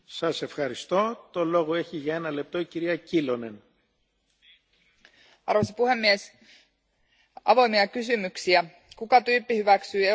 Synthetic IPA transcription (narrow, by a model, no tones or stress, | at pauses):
sɐse̞fxɐɾist̪o̞t̪o̞lo̞ɣoe̞çiʝɐe̞nɐle̞p̚t̪o̞iciɾiɐcilo̞ne̞n | ɑ̰rʋos̬ɑpuhe̞mːies | ɑ̰ʋo̞jmiɑkysymyksiæ | kukɑt̪yːpːihyʋæksyːe